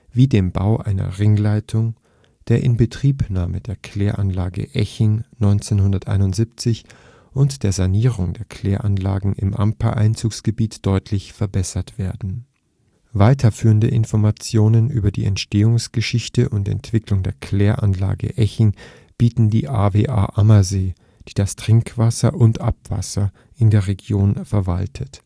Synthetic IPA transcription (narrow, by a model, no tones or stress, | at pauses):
viːdeːmba̰ʊʔaɪnɐ̰ʁɪŋlaɪtʰʊŋ | d̥eːɐʔɪnbətʁ̥iːpnaːməd̥eːɐkʰl̥eːɐʔanlaːɡə̰ʔɛçɪŋnɔʏnt͡senhʊndɐtʔa̰ɪnʊntz̥ip̚t͡sɪç | ʔʊntd̥eːɐzaniːʁ̞ʊŋdeːɐkʰl̥eːɐʔanla̰ːɡŋ̩ɪ̰mʔa̰mpa̰ʔaɪnt͡suːksɡ̥əbiːtd̥ɔʏtʰlɪçfɛɐbɛsɐtv̥eːɐdn̩ | vaɪtʰɐfyːʁəndə̰ʔɪnfɔɐmat͡sjoːnənʔyːbɐdḭːʔɛ̰ntʃteːʊŋsɡ̥əʃɪçtəʔʊntɛ̰ntv̥ɪklʊŋdeːɐkʰl̥eːɐʔa̰nla̰ːɡə̰ʔɛçɪŋ | b̥iːtn̩dḭːʔaːveːʔa̰ːʔamɐzeː | d̥iːdastʁ̥ɪŋkv̥asɐʔʊntʔapv̥a̰sɐ | ʔɪndeːɐʁeɡjoːnfɛɐva̰ltʰət